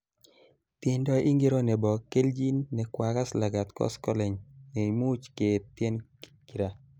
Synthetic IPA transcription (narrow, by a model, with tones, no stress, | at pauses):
t̪ɪ˨ndɔ˦ʔi˦ŋɡe˦ɾo˦nɛ˨bɔ˨ke˦ld͡ʒi˦nːɛ˨kwa˨ka˦sla˨ɡa˨t̪kɔ̰˦skɔ˦lɛ˨ɲne˨mu˦t͡ʃke˨t̪ːjɛ˦nki˨ɾa˨